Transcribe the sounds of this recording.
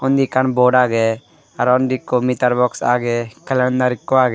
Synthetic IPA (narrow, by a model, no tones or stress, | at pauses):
ɔnd̪ikɐɳboːɖaːɡe | ɐɾɔnd̪ikːomit̪ɐɾbɔksa̰ːɡekɐlənd̪aɾikːoaːɡe